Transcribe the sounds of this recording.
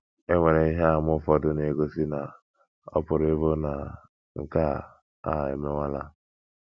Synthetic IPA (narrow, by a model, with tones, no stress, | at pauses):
e˦wʷe˨ɾe˨i˦ɦa˦˨mʊ˦˨fɔ˨dʊ˦ne˨ɡo˦si˦na˨ | ɔ̰˦pʊ˨ɾe˦βo˦na˨ | ŋ̩˨ka˦ | a̰˨ḛ˨me˦wa˦la˦